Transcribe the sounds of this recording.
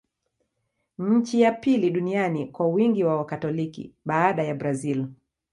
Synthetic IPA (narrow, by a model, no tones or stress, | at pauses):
ɲ̩t͡ʃijapiliɗunianikwawiŋɡiwawakatɔlikḭɓaːɗajabɾazil